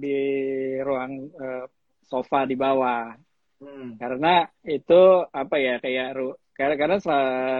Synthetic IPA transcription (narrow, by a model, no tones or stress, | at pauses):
di | ɾuaŋə | sofadibawah | kaɾənait̪uapajakajaʔɾukakaɾənasa